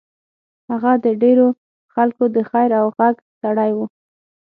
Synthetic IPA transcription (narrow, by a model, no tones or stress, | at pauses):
haɣad̪əɖeɾo | xalkod̪əxajɾawɣaɡ | saɽajwu